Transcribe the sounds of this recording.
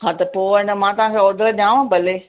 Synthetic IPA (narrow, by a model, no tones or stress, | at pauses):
ɦãːt̪ɐpoːɪnəmãːt̪ɐɦãkʰãːod̪ʱəlɗãːʋãbɐleː